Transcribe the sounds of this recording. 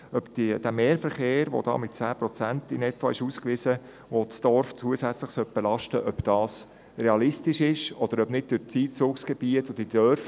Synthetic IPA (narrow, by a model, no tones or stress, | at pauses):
œpd̥id̥æmeːɾfəɾχeːɾʋo̰d̥̪ɑ̰ːmɪtt͡sæːpɾɔt͡sæntɪnɛtʋɑɪʃuːskʋɪzə | ʋosd̥ɔɾft͡suəsæt͡slɪχsœt̚b̥ɛlɑʃtəʔœpd̥ɑːs | reɑlɪstɪʃɪʃɔd̥̪əɾœbnɪd̚d̥ʏt͡siːt͡sʊːksɡ̥ɛbiətʊd̥id̥œɾf